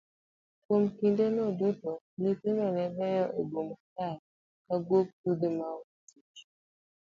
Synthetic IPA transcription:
kwomkindenɔdutɔ | nitenɔnɛbɛjɔʔeɡomta | kaɡwok̚tud̪emawit͡ʃ

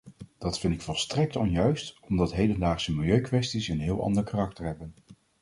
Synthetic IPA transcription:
d̥ɑtfɪntɪkfɔlˠstrɛk̚tɔnjœɥstɔmdɑtɦejdəndaːχsəmɪlˠjøɥkʋɛstisənɦɪːlˠʔɑ̰ndəɹkarɑk̚təɹɦɛbən

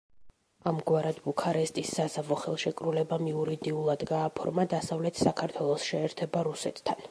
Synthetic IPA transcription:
amɡwaɾad̪bukʰaɾɛst̪ʼisːazavɔχɛlˠʃɛkʼɾulɛbamiuɾid̪iulˠad̪ɡaːpʰɔ̰ɾmad̪asavlɛt̪ʰsakʰaɾt̪ʰwɛlˠɔsʃɛːɾt̪ʰɛbaɾusɛt̪ʰt̪ʰːan

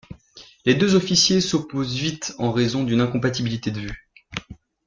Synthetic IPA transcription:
led̪øzɔfisjesɔpozvit̪ɑ̃ʁezɔ̃d̪ynɛ̃kɔ̃pat̪ibilit̪ed̪əvy

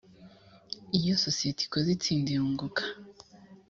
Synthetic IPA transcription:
ijososietʰi̥kozit͡siːndiɾuːŋɡukʰḁ

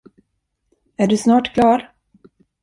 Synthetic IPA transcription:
æɖɵsnɑːʈkʰlɑːɾ

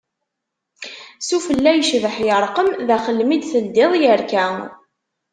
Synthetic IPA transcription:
sufəlːæjəʃvəħjəɾˤqəmðæχəlːmid̪θəld̪ɪðˤjəɾkæ

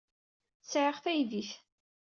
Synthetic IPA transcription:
sʕəʁθæjðiθ

